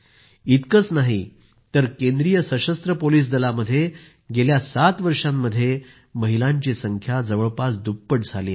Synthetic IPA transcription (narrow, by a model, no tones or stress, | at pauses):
it̪kət͡snaɦi | t̪əɾkẽnd̪ɾijəsəɕəst̪ɾəpoliːs̬d̪əlaməd̪ʱːje | ɡeljasat̪ʋəɾʂamːəd̪ʱːje | məɦilãɲt͡ɕisəŋkʰjad͡zəʋəɭpasd̪upːəʈd͡zʱaliː